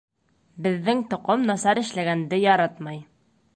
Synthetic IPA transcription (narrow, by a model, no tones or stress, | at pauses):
bɘ̆ðːɘŋt̪ŏqomnɑsɑɾɘ̆ʃlæɡænd̪ɘjɒɾɑt̪mɑj